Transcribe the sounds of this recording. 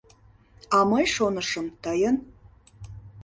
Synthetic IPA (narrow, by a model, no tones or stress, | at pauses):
ɑməjʃonəʃə̆mt̪əjən